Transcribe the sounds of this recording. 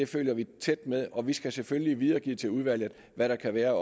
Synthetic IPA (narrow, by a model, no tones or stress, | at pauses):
e̝føljɐʋit͡sʰed̥með̞ˠɒ̽ʋisɡ̥æsefølliʋið̞ˠɐːɡ̥ḭːt͡sʰe̝luð̞ˠʋæl̰ð̩ˠ | ʋæɾ̥ɑ̈kʰæʋæːɐ